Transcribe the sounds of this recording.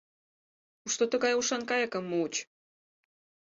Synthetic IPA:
uʃt̪ot̪ə̆ɣɑjuʃɑnkɑjɑkə̆mːuut͡ɕ

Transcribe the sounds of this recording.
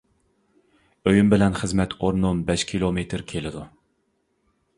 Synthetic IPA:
øjymbɪlɛnχəzmɛt̪ʰoɾnumbɛʃkʲʰilˠomet̪ʰɾkʲʰelɪd̪u

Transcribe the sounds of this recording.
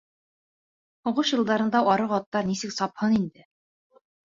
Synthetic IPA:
hŏʁɤʃjɤ̆lˠd̪ɑɾɤ̆nd̪ɑʔɒɾɤʁɑt̪ːɑɾnisɘksɒphɤnind̪ɘ

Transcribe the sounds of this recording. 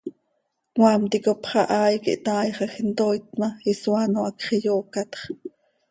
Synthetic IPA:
wɑːmt̪ikopχɑʔɑːjkḭʔt̪ɑːjχɑxnt̪ojt̪mɑiswanoʔɑkχijoːkɑt̪χ

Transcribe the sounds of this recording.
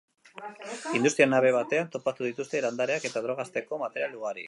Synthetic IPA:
ind̪ust̪ɾianaβ̞e̞βat̪e̞ant̪o̞pat̪uðit̪ust̪e̞land̪aɾeake̞t̪aðɾo̞ɣast̪e̞ko̞mat̪e̞ɾialuɣaɾḭ

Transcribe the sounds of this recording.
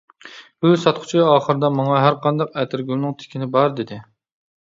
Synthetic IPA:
busɑt̪qʰʊ̥t͡ʃʰiɑːχəɾɨd̪ɑmɑŋɑɦæɾqʰɑnd̪ɑqɛt̪ʰɪɾɡʲylnɪŋt̪ʰɪ̥kʲʰinɪbɑɾd̪ɪd̪ɪ

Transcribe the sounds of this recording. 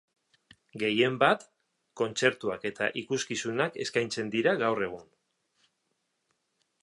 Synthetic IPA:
ɡe̞je̞mbat̪ | ko̞nt͡se̞ɾt̪uake̞t̪a̰ʔikuskisunake̞̰skajnt͡se̞nd̪iɾaɣawre̞ɣ̞un

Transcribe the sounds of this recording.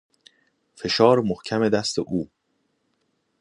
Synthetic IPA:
fe̞ʃɒːɾmohcʰæme̞d̪æst̪eʔuː

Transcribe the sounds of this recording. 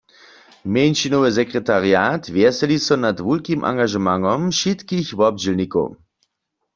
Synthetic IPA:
mjɛjnʃinoʋɪzɛkʁɛt̪aʁjaːtvjɛsɛlisɔnatvulkimʔa̰ŋɡaʒɛmaŋɔmʃit̪kiçvɔbd͡ʒilniko̰w

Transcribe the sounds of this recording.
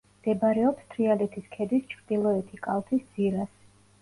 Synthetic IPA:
md̪̥ɛbɾɛɔpst̪ʰɾialɛt̪ʰiskʰɛd̪ist͡ʃʰɾd̪̥ilˠɔɛt̪ʰikʼalˠt̪ʰisd̪z̥iɾas

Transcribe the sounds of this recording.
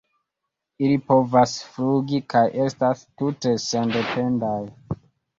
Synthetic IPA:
ilipo̞vasfluɡikajʔe̞stastute̞sende̞pe̞ndaj

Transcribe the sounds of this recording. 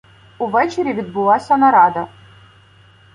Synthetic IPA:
uvɛt͡ʃeɾʲivʲid̪̚bʊlˠasʲɐnɐɾɑd̪ɐ

